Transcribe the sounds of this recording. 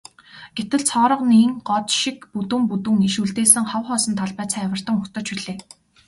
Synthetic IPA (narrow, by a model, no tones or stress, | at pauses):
ɡ̥et̪ɘ̆ɮt͡sʰɔːɾə̆qniːŋɢɔt̪ʃikput̪ŭmput̪ŭŋiʃuɮt̪eːsɘ̆ŋχɔwχɔːsɞ̆nt̪ʰaɮpæːt͡sʰæːwə̆r̥t̪ə̆ŋʊxt̪ə̆t͡ɕiɮeː